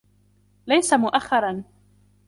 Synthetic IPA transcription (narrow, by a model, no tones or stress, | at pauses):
lajsamʊʔaxːɑɾˤɑn